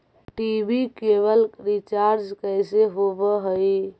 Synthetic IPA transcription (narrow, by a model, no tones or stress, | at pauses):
ʈibikebəlɾit͡ʃaɾd͡ʒkəjseɦobəɦəj